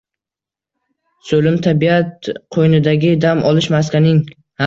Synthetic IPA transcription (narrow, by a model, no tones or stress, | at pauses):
solɪmt̪ʰabiat̪qʰojnɪd̪aɡʲɪd̪amʔɒlˠɪʃmas̬kʲanɪŋ | ha